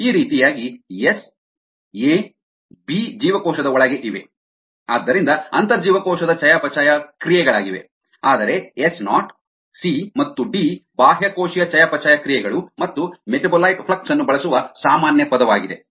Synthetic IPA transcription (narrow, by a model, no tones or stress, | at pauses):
iːɾiːt̪ijaːɡies | eː | bid͡ʒiːʋɐkɔːʃɐd̪ɐɔɭɐɡeʔiʋḛ | aːd̪ːɐɾind̪ɐɐ̰nt̪ɐɾɐd͡ʒiːʋɐkɔːʃɐd̪ɐt͡ʃɐjaːpɐt͡ʃaːjɐkɾijɛɡɐɭaːɡiʋe̞ | aːd̪ɐɾeesnaːʈ | simɐt̪ːuɖiːbaːɦjɐkoːʃijɐt͡ʃɐjaːpɐt͡ʃaːjɐkɾijɛɡɐɭumɐt̪ːumeʈɐbɐlɐjʈpʰɭɐk̚ʈsɐnːubɐɭɐsuʋɐsaːmaːnjɐpɐd̪ɐʋaːɡid̪e̞